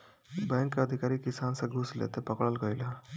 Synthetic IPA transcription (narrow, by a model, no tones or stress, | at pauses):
bɛ̃ŋkːəd̪ʱikaɾikisansãɡʱuslḛt̪epəkɽəlɡəjla